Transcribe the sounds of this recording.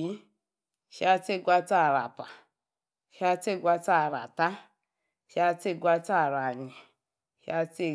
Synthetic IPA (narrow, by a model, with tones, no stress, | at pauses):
i˦ | ʃi˦a˦te˦˨ɡʷa˦ta˦˨ɾa̰˨pa˨ | ʃi˦a˦te˦˨ɡʷa˦ta˦˨ɾa̰˨ta˦ | ʃi˦a˦te˦˨ɡʷa˦ta˦˨ɾa˨ɲe˨ | ʃḭ˦a˦te˦˨